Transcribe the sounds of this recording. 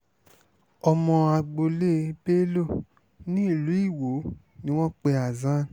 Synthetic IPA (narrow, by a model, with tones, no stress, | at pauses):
ɔ˧mɔ̃˧a˧ɡ͡bo˧le˦be˦lo˦˨ | nĩ˦i˦˨lu˨˦i˦˨wo˨˦ | nĩ˦w̃ɔ̃˦k͡pe˧a˨zã˦